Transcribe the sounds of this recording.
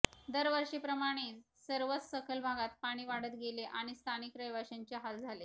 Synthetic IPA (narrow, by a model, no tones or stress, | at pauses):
d̪əɾʋəɾʂiːpɾəmaɽ̃e | səɾʋət͡ssəkʰəlbʱaɡat̪paɽ̃iːʋaɽət̪ɡeleʔaɽ̃ist̪ʰanikɾəjʋaɕaɲt͡ɕaɦat̪d͡zʱale